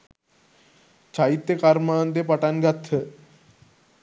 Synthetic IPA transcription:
t͡ɕʰait̪ːekaɾmant̪̬epaʈanɡat̪ʰːə

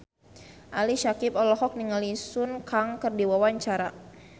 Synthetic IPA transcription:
ʔaliʃakipɔlɔɦɔk̚niŋalisʊnkaŋkərdiwawaɲt͡ʃaɾa̰

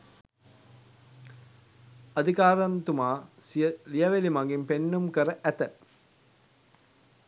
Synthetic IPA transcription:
ɐd̪ʱikaːɾant̪umaːsijəlijɐʋelimaŋɡimpenːumkəɾəʔæt̪ə

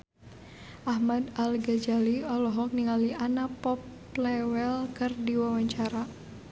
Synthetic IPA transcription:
ʔaɦmad̪alɡad͡ʒaliɔlɔɦɔk̚niŋaliʔanapɔp | lɛwɛlkɨrdiwawaɲt͡ʃaɾa

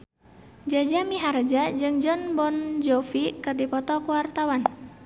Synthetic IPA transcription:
d͡ʒad͡ʒamiɦaɾd͡ʒad͡ʒɨŋd͡ʒɔnbɔnd͡ʒɔfikɨrdipɔt̪ɔkəwart̪awan

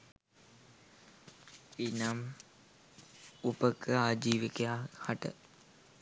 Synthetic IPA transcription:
inam | upəkʰəaːd͡ʒiːʋikejahaʈə̰

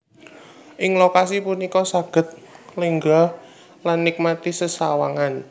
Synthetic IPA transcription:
ʔɪŋlokasipunikɔsaɡ̥ə̤t̪̚ləŋɡɔh | lanːik̚mat̪isəsawaŋan

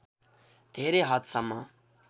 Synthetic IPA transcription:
d̪̥ʱeɾeɦʌt̪sʌmːʌ

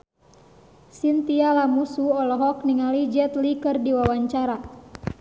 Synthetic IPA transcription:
sint̪ialamusuɔlɔɦɔkniŋalid͡ʒɛt̪likɨrdiwawaɲt͡ʃaɾa

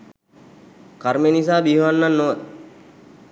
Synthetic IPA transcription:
kaɾmenis̬aːbiɦuʋɐnːɐnːoː

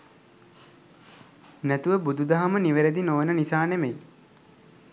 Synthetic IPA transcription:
næt̪uʋəbud̪ud̪aɦaməniʋeɾed̪inoʋənənisaːnemej

